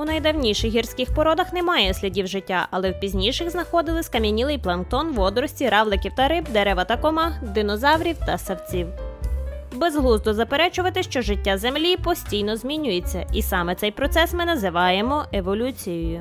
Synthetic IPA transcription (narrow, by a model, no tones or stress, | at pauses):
unɐjd̪ɐwnʲiʃɪxɦirsʲkɪxpɔɾɔd̪ɐxnɛmɑjɛsʲlʲɐdʲiwʒɪtʲːaʔɐlˠɛwpʲizʲnʲijʃɪxznɐxɔd̪ɪlˠɪsʲkɐmʲinʲilˠɪjplˠɐnkt̪ɔnʋɔd̪ɾɔsʲtʲiɾɑwlˠɪkʲiwt̪ɐɾɪbd̪eɾɛʋɐt̪ɐkɔmɑd̪ɪnɔzɑwɾʲiwt̪ɐsɐwt͡sʲiw | bezɦlˠuzd̪ɔzɐpeɾɛt͡ʃʊʋɐt̪ɪʃt͡ʃɔʒɪtʲːazemlʲipɔsʲtʲijnɔzʲmʲinʲʊjet͡sʲːɐʔisɑmɛt̪sɛjpɾɔt̪sɛsmɪnɐzɪʋɑjemɔʔeʋɔlʲut͡sʲijɔjʊ